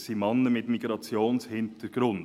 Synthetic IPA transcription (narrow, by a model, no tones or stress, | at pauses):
simɑnːəmɪt̪miɡ̥ɾɑt͡sjoːnshɪnt̪əɾɡ̥ɾʊn